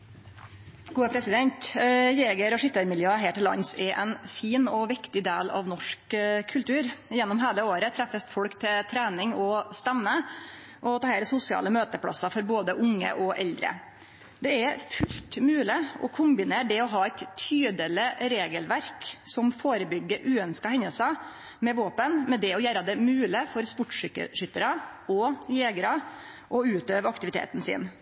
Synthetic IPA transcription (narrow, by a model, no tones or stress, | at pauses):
ɡ̥uːəpʰɾɛsɪd̪ɛnt̪jeːɡəɾɔʂɪt̪ːəɾmɪljøːəɦæːʈɪlːɑ̰nsɛʔɛnfiːnɔʋɪkt̪ɪd̪eːlɑ̰ʋnɔʂkkʰːʉlt̪ʉːɾɪjɛnːɔmɦeːləoːɾət̪ʰɾɛfəst̪fɔɽkt̪ʰɪlt̪ʰɾæːnɪŋɔst̪ɛmːə | ʔɔt̪ʰɑːheːɾsʊsɪɑ̰ːləmøːt̪əpʰɽɑ̰sɑfɔɾboːd̪əʔʊŋːə̰ʔɔʔɛld̪ɾə̰ | d̪ɛɛfʉlt̪mʉːlɪɔ̰kʰʊmbɪneːɖɛɔɦɑːæɪt̪ʰːyːd̪əlɪɾeːɡəlʋæɾksɔmfoːɾəbʏɡːəɾʔʉːœnskɑhɛɲəlsɑ | mɛʋoːpənmɛd̪ɛɔjæːɾɑd̪ɛmʉːləfɔɾspʊʈːʂʏkːə̰ʂʏt̪ːəɾɑɔjeːɡəɾɑ | ʔɔʉːt̪øːʋəɾɑkt̪ɪʋɪt̪ʰḛːt̪n̩sḭːn